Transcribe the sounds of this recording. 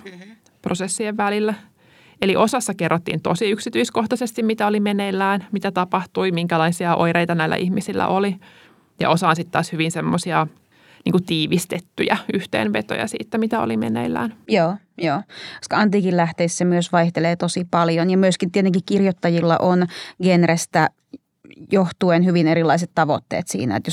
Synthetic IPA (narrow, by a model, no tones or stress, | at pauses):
prosesːieʋʋælilːæ | eliʔosɑsːɑkerːot̪ːḭːnt̪osiyksit̪yiskoht̪ɑsest̪imit̪æolimenelːæːnmit̪æt̪ɑpɑht̪uimiŋkælɑisiɑʔo̰iɾeit̪ɑnæilːæ̰ʔihmisilːæ̰ʔoli | jɑ̰ʔosɑːnsit̪ːtɑ̰ːshyʋinsemːosiɑ | nḭːŋkut̪iːʋist̪et̪ːyjæyht̪ḛːnʋet̪o̰jɑ̰sḭːt̪ːæmit̪æo̰limḛnḛilːæ̰ːnjoː | joːoskɑɑnt̪iːkillæht̪eisːæmyøsʋɑiht̪eleːt̪osipɑljonjɑmyøskint̪iet̪ːˑeŋkikkirjot̪ːɑjilːɑ̰ʔonɡ̥enrest̪æ | joht̪uenhyʋinerilːˑɑiset̪t̪ɑʋo̰t̪ːḛːt̪sḭːnæ̰ḛt̪jo